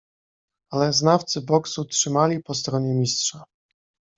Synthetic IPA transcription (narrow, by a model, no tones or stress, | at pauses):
alɛznaft̪sɘbɔksutʂɘmalʲipɔst̪ɾɔɲɛmʲistʂa